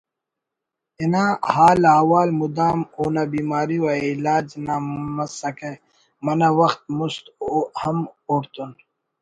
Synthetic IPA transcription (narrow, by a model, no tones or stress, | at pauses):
inãhaːlaːwaːlmud̪aːmoːnabiːmaːɾiwailaːd͡ʒnamɐsɐke | mɐnawɐxt̪̚must̪hɐmoːɾt̪un